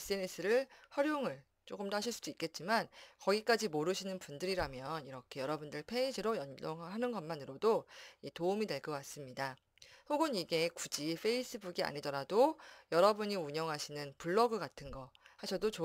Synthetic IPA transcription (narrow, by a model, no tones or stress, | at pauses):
es͈ɯenes͈ʰɯɾɯɭɸwʌɾjoŋɯɭ | t͡ɕ͈oɡɯmtaɕʰiɭs͈ud̥uik͈e̞t̚t͡ɕ͈imankʌɡik͈ad͡ʑimoɾɯɕʰinɯnpundɯɾiɾamjʌniɾʌkʰe̞jʌɾʌbundɯɭpʰe̞id͡ʑiɾojʌnd͡ʑoŋɦɦanɯnɡʌnmanɯɾodoitoumine̞ɭɡʌwas͈ɯmɲida | hoɡɯniɡe̞kud͡ʑipʰe̞is͈ʰɯbuɡia̰ɲidʌɾadojʌɾʌbuɲiuɲʌŋɦaɕʰinɯnpuɭːʌɡɯɡatʰɯnɡʌhaɕʰʌdot͡ɕo